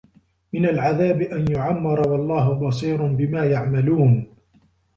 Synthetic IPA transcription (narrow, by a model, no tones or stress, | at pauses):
mɪnalʕaðaːbɪʔanjʊʕamːɪɾˤɑwɑlˤːɑːɦʊbɑs̬ˤiːɾʊnbɪmaːjaʕmaluːn